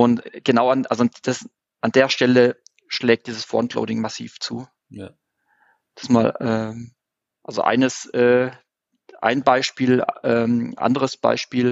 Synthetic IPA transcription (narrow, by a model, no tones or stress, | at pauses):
ʊntɡ̥ənaʊanʔalzod̥as | ʔandeːɐʃtɛlə | ʃlɛːk̚t̚d̥iːzəsfɔɐntlo̰ʊdɪŋmasḭːft͡sṵː | d̥asmaːlʔɛm | ʔalzo̰ʔa̰ɪnəsʔɛː | ʔa̰ɪnbaɪʃpiːlʔɛːmʔa̰ndəʁəsb̥a̰ɪʃpiːl